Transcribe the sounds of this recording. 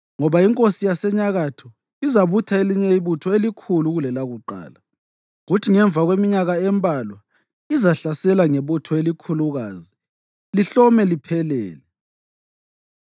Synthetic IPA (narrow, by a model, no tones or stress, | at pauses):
ŋɔβaiŋkʼosijasɛɲaɣatʰɔ | izaβutʰaeliɲɛiβutʰɔelikʰuluɣulɛlaɣuǃa̰ːla | ɣutʰiŋɛɱb̪vʱaɣwemiɲaɣaɛmbʱalwa | izaɬasɛlaŋeβutʰɔelikʰuluɣaːzi | liɬɔmɛlipʰɛlɛ̰ːlɛ